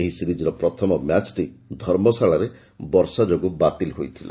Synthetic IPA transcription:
eɦisiɾid͡ʒɔɾɔpɾɔt̪ʰɔmɔmjat͡ʃʈid̪ʱɔɾmɔsaɭaɾe | bɔɾsad͡ʒoɡubat̪ilɦojt̪ʰila̰

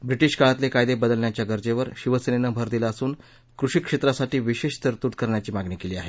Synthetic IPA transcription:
bɾiʈiːɕkaɭat̪lekajd̪ebəd̪əlnjat͡ɕjaɡəɾd͡ʑeʋəɾɕiʋəsenenəbʱəɾd̪ilaəsuːn | kɾuɕikʂet̪ɾasaʈiːʋiɕeɕt̪əɾt̪uːʈkəɾɳjat͡ɕiːmaɡɳiːkeliːaɦe

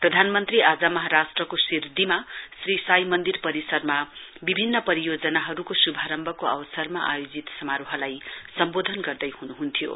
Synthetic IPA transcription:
prʌd̪ʱanmʌnt̪riad͡zamʌɦaɾasʈrʌkosird̪imasrisajmʌnd̪irpʌɾisʌrmabibʱinːʌpʌɾijod͡zʌnaɦʌɾukosubʱaɾʌmbʱʌkoʌwʌsʌrmaʔa̰jod͡zit̪sʌmaɾuɦʌlajsʌmbod̪ʱʌnɡʌrd̪ʌjhunuɦunt̪ʰijo̰

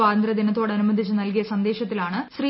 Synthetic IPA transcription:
aːd̪ɐnt̪rɐd̪inɐt̪ːo̞ːɽɐnumɐd̪ʱit͡ɕːɨnɐlkijɐsɐnd̪e̞ːɕɐt̪ːilaːɳɨɕriː

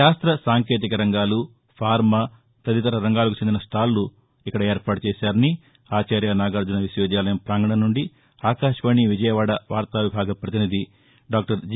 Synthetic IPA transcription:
aːst̪ɾɐsaːŋkeːt̪̬ikɐɾɐŋɡaːlu | pʰaːɾmɐ | t̪ɐd̪it̪ɐɾɐɾɐŋɡaːlɐkut͡ʃend̪inɐsʈʰaːlːu | ikːɐɽɐe̞ːɾpaːʈut͡ʃɛːsaːɾɐni | aːt͡ʃeːɾjanaːɡɐɾd͡ʒunɐʋisjɔːd͡ʒjaːlɐjɐmpɾaːŋɡɐɽɐnːuɳɖi | aːkaːʃɐʋɐɳiʋid͡ʒɐjɐʋaːɽɐʋaːɾt̪aːʋibʱaːɡɐpɾɐt̪inid̪ʱi | ɖaːk̚ʈɐɾd͡ʒ

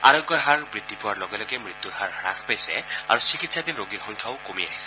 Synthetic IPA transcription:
a̰ɹɔɡjɔɦaɹbɹid̪ʱipʊwaɹlɔɡɛlɔɡɛmɹit̪juɹhaɹːakʰpajsɛ̰a̰ɹusikit̪sad̪inɹoɡiɹxɔŋkʰaʊkomia̰ɦisɛ̥

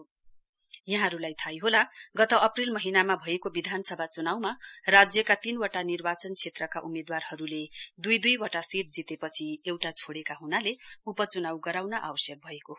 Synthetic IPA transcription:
jʌɦãɾulajt̪ʰajɦolaɡʌt̪ʌʌprilmʌɦinamabʱʌekobid̪ʱansʌbʱat͡sunawmarad͡zjʌkat̪inwaʈanirbat͡sʌnt͡sʰet̪rʌkaʔumed̪warɦʌɾuled̪ujd̪ujwʌʈasiʈ̚d͡zit̪epʌt͡sʰiewʈat͡sʰoɽekaɦunaleupʌt͡sunawɡʌɾawnʌʔa̰wʌsjʌk̚bʱʌeko

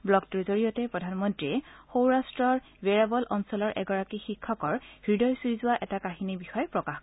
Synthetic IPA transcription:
blɔktuzoɹijɔtɛpɹɔdʱanmɔntɹiɛxowɹastɹɔɹ | beɹabɔlʔɔnsɔlɔɹʔɛ̰ɡɔɹakixikʰːɔkɔɹɡ̥ɹidɔjsuizʊwaʔɛtakaxinibixɔjɛpɹɔkaxk

